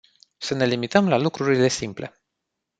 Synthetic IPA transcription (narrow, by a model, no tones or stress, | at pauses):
səne̞limit̪əmlalukɾuɾile̞simple̞̰